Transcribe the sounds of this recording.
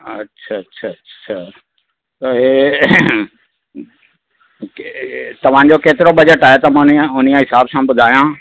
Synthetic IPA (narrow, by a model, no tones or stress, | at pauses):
ɐ̰tːɕʰaɕʰatʰɕʰa | t̪ɐe | t̪ɐʋ̤ãd͡ʑokeːt̪ɪɾobɐd͡ʑəʈaːɦet̪ɐmãnʊn̤ijãɦɪsaːbsãbʊd̪ʱaːijã